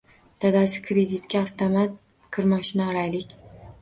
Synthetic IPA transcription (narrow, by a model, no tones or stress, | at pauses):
d̪̥ad̪asɪ̥kʰɾed̪ɪt̪kʲaːft̪ʰomat̪̚ | kʰɨɾmɒʃɪnaːɾajlɪkʲ